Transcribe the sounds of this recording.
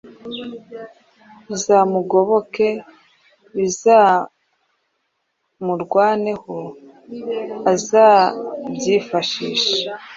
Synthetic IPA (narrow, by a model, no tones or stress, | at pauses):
βizaːmuɡo̞βo̞ke̞ | βizaː | muɾɡwaːne̞ho | azaːbɟiːfaʃiːʃḁ